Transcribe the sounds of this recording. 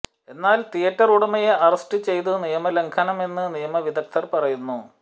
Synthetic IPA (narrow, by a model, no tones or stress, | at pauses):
e̞nːaːlt̪ijɐʈːɐruɽɐmɐjeʔɐrɐsʈɨt͡ɕe̞jt̪̬unijɐmɐleŋkʰɐnɐme̞nːɨnijɐmɐʋid̪ɐk̚t̪ʰɐrpɐrɐjunːu